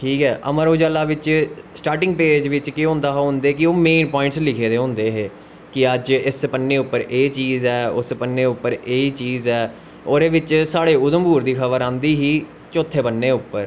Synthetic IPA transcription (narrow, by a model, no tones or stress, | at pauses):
ʈʰiːkɦɛːʔəməɾoːd͡ʒaːlaːʋɪt͡ʃsʈaːɾʈɪ̃ŋɡ̚peːd͡ʒʋɪt͡ʃkɪɦõːnd̪aːɦɦʊ̃ːnd̪eːkɪoːmeːnpɔːɪ̃ɳʈslɪkʰeːd̪eːɦõːnd̪eːɦeː | kɪəd͡ʒɪspənːeːʊpːəɾʔeːt͡ʃiːzɛːʊspənːeːʊpːəɾeːiːt͡ʃiːzɛː | oːɾeːʋɪt͡ʃsaːɽeːʊd̪əmbuːɾd̪iːkʰəʋəɾãːnd̪iːɦiː | t͡ʃoːt̪ʰːeːbənːeːʊpːəɾ